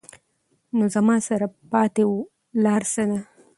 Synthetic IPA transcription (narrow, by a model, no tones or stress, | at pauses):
nozamɑsaɾapɑt̪ewu | lɑɾsana